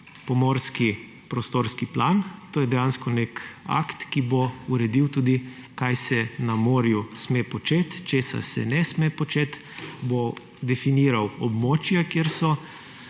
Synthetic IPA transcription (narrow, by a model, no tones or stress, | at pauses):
pɔmoːɾski | pɾɔst̪oːɾskiplant̪oːjɛd̪ɛjanskɔneka̰kt̪kibouɾɛd̪iwt̪uːd̪ikajsɛnamoːɾjusmeːpɔt͡ʃeːt̪t͡ʃeːsa̰sɛ̰nɛsmepɔt͡ʃeːt̪ | bo | d̪ɛfiniːɾawɔbmoːt͡ʃjakjeɾsɔ